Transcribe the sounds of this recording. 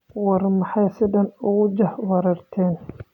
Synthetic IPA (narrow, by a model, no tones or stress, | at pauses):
wɑrmɑħɑjsɪðɐnʊɣʊd͡ʒɐhwɑɾɐrt̪ʰɛːn